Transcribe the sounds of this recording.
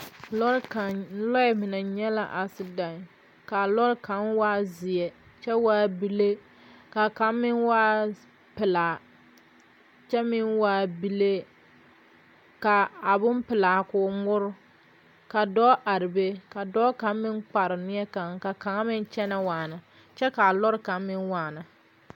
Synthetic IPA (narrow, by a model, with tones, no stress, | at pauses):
lɔ˦ɾklɔ˦ɛ˦mɪ˨na˨ɲɛ˦la̰˨ʔa˨sɪ˦da˨ŋ˨ | ka˨lɔ˦ɾka˨˦nwaː˦zɪ˨ɛ˨t͡ʃɛ˦waː˦bi˦le˦ | ka˨ka˨˦mɪ˦nwaː˦ | pɪ˨la˨ | t͡ʃɛ˦mɪ˦nwaː˦˨bi˦le˦ | ka˨a˨bʊ˦mpɪ˨laː˨kʊː˨˦mʊ˦ɾʊ˦ | ka˨dɔ˦ʔa˨ɾɪ˨be˦ka˨dɔː˦ka˨˦m˦mɪ˦nk͡pa˨ɾɪ˨nɪ˦ɛ˦ka˨ŋka˨ka˨ŋa˦mɪ˦n˦t͡ʃɛ˦na˦waː˨nɨ˨ | t͡ʃɛ˦ka˨lɔ˦ɾka˨˦mmɪ˦nwaː˨nɨ˨